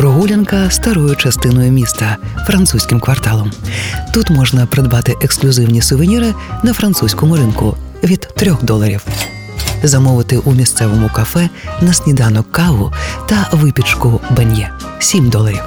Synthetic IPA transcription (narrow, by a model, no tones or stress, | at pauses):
ɾʊɦulʲɛnkɐst̪ɐɾɔjʊt͡ʃɐst̪ɪnɔjʊmʲist̪ɐfɾɐnt̪susʲkʲɪmkʋɐrt̪ɑlˠɔmt̪ut̪mɔʒnɐpɾed̪bɑt̪ɪʔeksklʲʊzɪwnʲisʊʋɪnʲiɾɪnɐfɾɐnt̪susʲkɔmʊɾɪnkʊ | ʋʲid̪̥ːɾʲɔxd̪ɔlˠɐɾʲiw | zɐmɔʋɪt̪ɪʔumʲist̪sɛʋɔmʊkɐfɛnɐsʲnʲid̪ɑnɔkːɑʋʊt̪ɐʋɪpʲit͡ʃkʊbɐnʲjɛ | sʲimd̪ɔlˠɐɾʲiw